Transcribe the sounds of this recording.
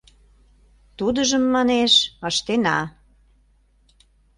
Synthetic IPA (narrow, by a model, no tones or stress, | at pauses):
t̪ud̪əʒəmːɑneʃɑʃt̪enɑ